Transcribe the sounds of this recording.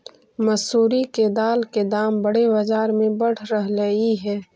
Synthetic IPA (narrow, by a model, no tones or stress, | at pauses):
mɐsuːɾiked̪aːlked̪aːmbəɽebɐd͡ʒaːɾmẽbɐɽ̤ɾəɦlɐiɦɛː